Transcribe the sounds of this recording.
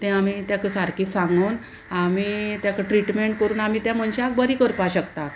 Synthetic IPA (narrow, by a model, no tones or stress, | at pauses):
t̪ẽamit̪jakəsaɾkisãŋɡon | amit̪jakəʈɾiʈmeɳʈkəɾuːnam̤it̪jãm̤əɳɕak̚bəɾiːkəɾpaɕəkt̪a